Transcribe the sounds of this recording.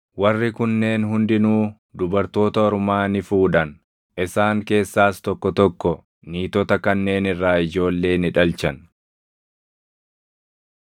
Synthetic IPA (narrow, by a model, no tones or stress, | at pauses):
wɐrːɪkʊnːe̞ːnɦʊnd̪ɪnuː | d̪ʊbɐɾt̪o̞ːt̪ɐɔɾʊmaːnɪfuːᶑɐn | ʔɪsaːŋke̞ːsːaːst̪ɔkːɔt̪ɔkːɔ | niːt̪ɔt̪ɐkɐnːe̞ːnɪrːaːɪd͡ʒo̞ːlːe̞ːnɪᶑɐlt͡ʃɐn